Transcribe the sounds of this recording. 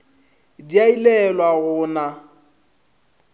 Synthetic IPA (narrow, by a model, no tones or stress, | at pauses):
diailɛlwaɣʊna